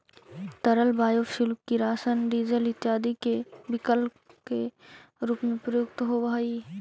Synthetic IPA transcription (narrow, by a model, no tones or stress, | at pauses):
t̪əɾəlbaːjoʃʊlkiɾaːsənɖiːzəlɪt̪jaːd̪ikebɪkəl | keɾuːpmẽpɾəjʊkt̪ɦobɐɦi